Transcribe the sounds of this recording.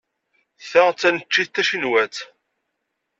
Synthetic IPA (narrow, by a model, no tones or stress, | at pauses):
θəʁt͡sːænət͡ʃːiθt̪ːæʃənwæt͡s